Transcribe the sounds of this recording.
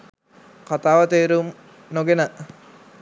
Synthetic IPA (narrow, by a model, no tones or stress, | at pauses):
kat̪aːʋət̪eːɾum | noɡenə